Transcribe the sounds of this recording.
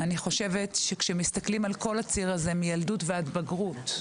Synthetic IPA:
aniχo̞ʃe̞vetʃekʃemist̪aklimalko̞lat͡siʁaze̞mijaldutveat̪baɡʁut

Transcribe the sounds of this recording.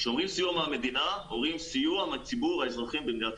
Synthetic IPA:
ʃeo̞mʁimsijuameame̞d̪inaoʁimsijuamat͡sibuʁaezʁaχimbemdiat̪

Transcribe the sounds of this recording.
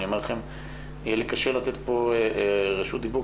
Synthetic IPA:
omaʁlaχem | ijelikaʃelat̪et̪po̞ | ʁeʃut̪̚d̪ibu

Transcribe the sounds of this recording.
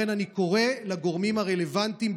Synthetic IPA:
enaniko̞ʁe̞laɡo̞ʁmimhaʁe̞le̞vant̪im

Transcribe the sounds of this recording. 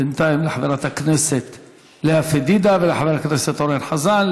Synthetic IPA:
ɪnt̪ajɪmlaħaveɾˤat̪akneset̪ | leafed̪iːd̪avɪlħaveɾakneset̪oɾenħazan

